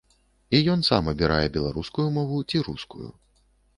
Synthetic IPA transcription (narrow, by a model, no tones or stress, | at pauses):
ijɔnsamɐbʲiɾajɛbʲɛlˠaɾuskujumɔvut͡sʲiɾuskṵjṵ